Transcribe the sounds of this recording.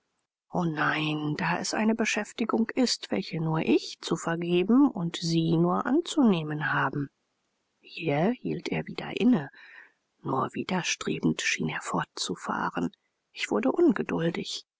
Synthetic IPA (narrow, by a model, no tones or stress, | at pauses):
ʔoːnaɪnd̥aːʔɛ̰sʔa̰ɪnəbəʃɛftɪɡʊŋkʔɪstv̥ɛ̰lçənuːɐʔɪçt͡sufɛɐɡeːbm̩ʊntz̥iːnuːɐʔa̰nt͡suneːmənhaːbm̩ | hiːɐhḭːlteːɐviːdɐ̰ʔɪnə | nuːɐviːdɐʃtʁ̥ḛːbn̩tʃḭːneːɐfɔɐt̚t͡sufa̰ːʁən | ʔɪçv̥ʊɐdəʔʊnɡədʊldɪç